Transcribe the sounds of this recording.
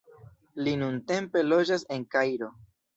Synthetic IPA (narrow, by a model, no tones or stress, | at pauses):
linunte̞mpe̞lo̞d͡ʒase̞ŋkajɾo̞